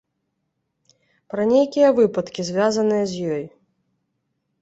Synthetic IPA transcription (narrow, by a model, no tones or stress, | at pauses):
pɾɐnʲejkʲijɐvɨpɐt̪kʲizʲvʲazɐnɨjɐzʲjɔj